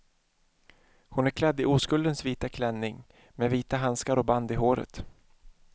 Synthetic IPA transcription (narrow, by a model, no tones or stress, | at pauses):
hʊnæɾkʰlɛd̪ːɪʔuːskɵld̪ənsviːt̪akʰlɛnːɪŋ | meːviːt̪aɦanskaɾɔband̪ɪɦoːɾə̰t̪